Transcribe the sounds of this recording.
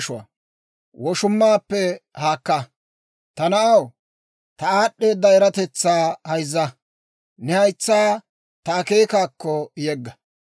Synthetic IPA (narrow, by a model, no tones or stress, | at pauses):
ʃʊwa̰ | wɔʃʊmːaːpːɛhaːkːɐ | t̪ɐnɐʔɐw | t̪ɐaːɗːe̞ːd̪ːɐɛɾɐt̪ɛt͡sːaːhɐjzːɐ | nɛhɐjt͡sːaː | t̪ɐːke̞ːkaːkːɔjɛɡːɐ